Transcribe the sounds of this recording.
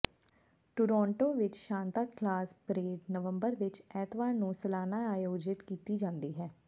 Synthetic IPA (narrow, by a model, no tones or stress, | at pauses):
ʈʊɾɔːɳʈoːʋɪt͡ʃʃãːnt̪aːkʰlaːspɾeːɖnəʋəmbəɾʋɪt͡ʃɛːt̪ʋaːnũːsəlaːnaːaːjoːd͡ʒɪt̪kiːt̪iːd͡ʒãːnd̪iːɦɛː